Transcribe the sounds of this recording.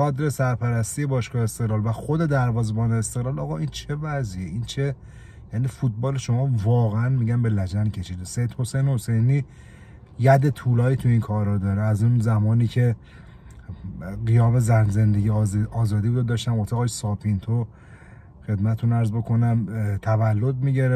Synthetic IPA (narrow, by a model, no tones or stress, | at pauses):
ɡɒːd̪ɾesæɾpʰæɾæst̪ije̞bɒːʃkɒːest̪e̞ɣlɒːlvæxo̞d̪e̞d̪æɾvɒːzebɒːneːst̪eɣlɒːlɒːɣɒʔiːnt͡ʃʰe̞væzijeʔint͡ʃʰe̞ | jæniːfut̪̚bɒːleʃo̞mɒːvɒːɣeænmiɟæmbe̞læd͡ʒæncʲʰeʃiːd̪ese̞jd̪ho̞sejneho̞se̞jniː | jæd̪et̪ʰuːlɒːiːt̪ʰuinkʰɒːɾɒːd̪ɒːɾeæzunzæmɒːniːcʰe̞ | ɢijɒːme̞zænzend̪eɡiɒːzɒːd̪ibɾod̪ɒːʃt̪æmot̪ʰeɣɒːjsɒːpʰint̪ʰo | xe̞d̪mæt̪t̪ʰunæɾzbo̞kʰo̞næmt̪ʰævælːo̞d̪̚miɟeɾe